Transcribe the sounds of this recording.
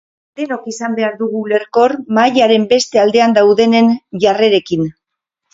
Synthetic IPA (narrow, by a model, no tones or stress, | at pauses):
d̪e̞nokisambe̞aɾðuɣ̞ule̞ɾko̞rmajaɾe̞mbe̞st̪e̞ald̪e̞and̪awðe̞ne̞nʝare̞ɾe̞kin